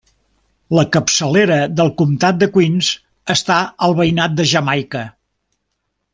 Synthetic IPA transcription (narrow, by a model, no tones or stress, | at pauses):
ləkəpsəleɾəðəlˠkumt̪at̪̚d̪əkwinz | əst̪aəlˠβəjnat̪̚d̪əʒəmajkə